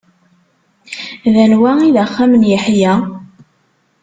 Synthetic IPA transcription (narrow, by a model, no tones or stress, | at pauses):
ðænwæiðæχːamənjəħjæ